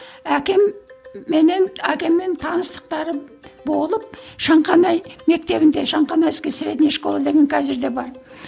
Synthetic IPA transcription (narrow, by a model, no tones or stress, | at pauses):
ækʲe̞mːe̞nenækʲe̞mːent̪ʰɑnəst̪ə̥q̚t̪ɑɾəbo̞lˠəp̚ʃɑɴqɑnɑjme̞k̚t̪e̞βɪnd̪e̞ʃɑɴqɑnɑjɪskʲesɪɾe̞t̪ɪnʃkolˠɑd̪e̞ɡʲeŋkʲʰæzɪɾd̪e̞bɑɾ